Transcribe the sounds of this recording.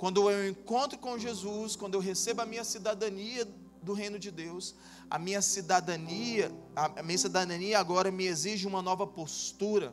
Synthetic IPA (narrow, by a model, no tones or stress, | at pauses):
kwɐ̃nd̪ʊeewẽkõnt̪ɾʊkõʒezuskwɐ̃nd̪ʊewɦesebʊɐmĩɲɐsid̪ad̪ɐ̃niɐ | d̪ʊɦẽj̃nʊd͡ʒɪd̪ews | ɐ̰mĩɲɐsid̪ad̪ɐniɐmĩɲɐsid̪ad̪ɐ̃niɐaɡɔɾɐmɪeziʒɪũmɐnɔvɐpost̪uɾɐ